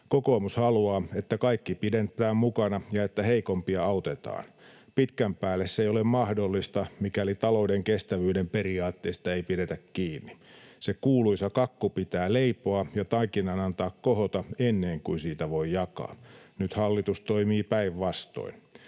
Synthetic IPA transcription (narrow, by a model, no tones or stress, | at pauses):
kokoːmushɑluɑːet̪ːækɑikːipident̪ˑæːmmukɑnɑjɑet̪ːæheikompiɑɑut̪et̪ɑ̰ːn | pit̪kæmpæːlːesːeijolemmɑhdolːist̪ɑmikælit̪ɑloudeŋkest̪æʋyːdempeɾiɑːt̪ːeist̪ɑeipidet̪ækkiːnːisekuːluisɑkɑkːupit̪æːleipoɑjɑt̪ɑikinːˑɑnɑnt̪ɑːkkohot̪ɑenːeːŋkuisiːt̪æʋoijɑkɑ̰ːnyt̪hɑlːit̪ust̪oimiːpæiʋʋɑst̪o̰in